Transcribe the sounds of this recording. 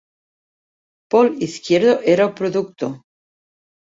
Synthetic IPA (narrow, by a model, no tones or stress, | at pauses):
poliθkjeɾðoʔeɾaupɾoðukt̪o